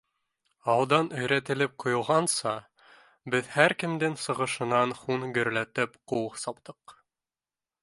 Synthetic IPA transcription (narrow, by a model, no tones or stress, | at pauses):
ɑwˠd̪ɑnɵ̆jɾæt̪ɘ̆lɘp̚qŏjŏlˠʁɑnsɑ | bɘðhæɾkɘ̆md̪ɘŋsɤ̆ʁɤ̆ʃɤ̆nɑnχunɡɵ̆ɾlæt̪ɘpquqsɑpt̪ɤq